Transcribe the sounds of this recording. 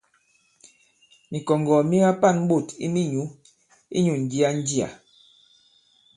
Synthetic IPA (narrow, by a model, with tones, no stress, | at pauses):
ni˨kɔ˨ŋɡɔ˨mi˦ŋa˦pa˦˨nm̩˦ɓo˦˨tḭ˦ni˦˨ɲu˨˦ | ḭ˦ɲu˨n̩˨d͡ʒi˦a˦n̩˦d͡ʒi˦a̰˨